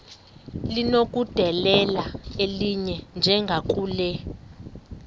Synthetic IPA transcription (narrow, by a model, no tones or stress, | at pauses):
linok̬ʼud̥ʱɛlɛlaeliɲɛnd͡ʒʱɛŋɡʱak̬ʼuːlɛ